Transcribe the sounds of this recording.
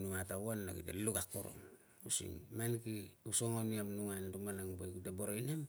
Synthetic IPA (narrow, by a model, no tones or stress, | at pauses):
nuŋatawanːa̰ɡḭtḛlukakːo̰ɾo̰m | usḭŋmankiusoŋoniamnuŋantumanaŋbojkiteboɾojnem